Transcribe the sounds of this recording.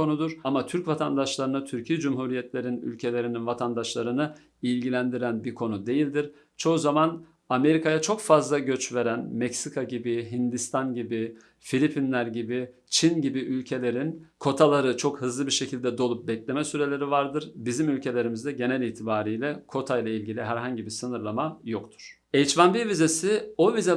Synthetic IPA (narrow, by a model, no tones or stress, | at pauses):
o̞nud̪uɾamat̪ʰyɾcvat̪ʰand̪aʃlˠaɾɯnɯt̪ʰyɾcʰijɛd͡ʒumɦuɾijɛt̪ʰlʲe̞ɾiny̰lʲcʰe̞lʲe̞ɾininvat̪ʰand̪aʃlˠaɾɯnɯ | ilʲɟilʲænd̪iɾænbiɾkʰo̞nud̪e̞jilʲd̪iɾ̥ | t͡ʃʰo̞uzaman | ame̞ɾikʰajat͡ʃʰo̞kfazlˠaɟø̞t͡ʃve̞ɾænmɛcsikʰaɟibiɦind̪ist̪ʰanɟibi | filʲipʰinlʲæɾɟibi | t͡ʃʰinɟibiʔylʲcʰe̞lʲe̞ɾinkʰo̞t̪ʰalˠaɾɯt͡ʃʰo̞khɯzlˠɯbiɾʃecʰilʲd̪ɛd̪o̞lˠup̚bɛclʲe̞mɛsyɾe̞lʲe̞ɾivaɾd̪ɯɾbizimylʲcʰe̞lʲe̞ɾimizd̪ɛɟe̞nɛlʲiːt̪ʰibaːɾijlʲɛkʰo̞t̪ʰajlˠailʲɟilʲiɦæɾɦaɲɟibiɾsɯnɯɾlˠamajokt̪ʰu̥ɾ̥ | ɛjt͡ʃvanbivizesio̞vizɛ